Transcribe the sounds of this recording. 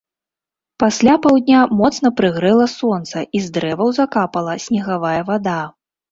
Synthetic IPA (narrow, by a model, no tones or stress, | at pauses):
pasʲlʲapawd̪ʲnʲamɔt̪snɐpɾɨɣɾɛlˠɐsɔnt̪sɐizd̪ɾɛvɐwzakapɐlˠɐsʲnʲɛɣavajɛvad̪a